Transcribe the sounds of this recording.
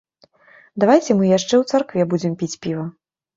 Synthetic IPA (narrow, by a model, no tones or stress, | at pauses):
d̪avajt͡sʲɛmɨjaʂt͡ʂɛwt̪sarkvʲɛbud͡zʲɛmpʲit͡sʲpʲivɐ